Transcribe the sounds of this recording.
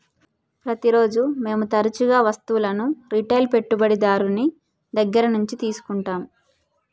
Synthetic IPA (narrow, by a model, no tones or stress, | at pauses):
pɾɐt̪iɾo̞ːd͡ʒume̞ːmut̪ɐɾɐt͡ʃuɡaːʋɐst̪uulɐnuɾiʈɐjlpe̞ʈːubɐɽid̪aːɾuni | d̪ɐɡːɐɾɐnuɲt͡ʃit̪iːsu̥kuɳʈaːmu